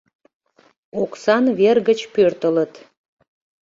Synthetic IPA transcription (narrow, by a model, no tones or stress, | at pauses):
oksɑnβerɣət͡ɕpørt̪ələt̪